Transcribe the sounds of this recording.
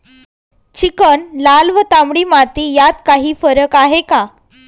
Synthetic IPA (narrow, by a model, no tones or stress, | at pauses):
t͡ɕikəɳlalʋət̪amɽiːmat̪iːjat̪kaɦiːfəɾəkaɦeka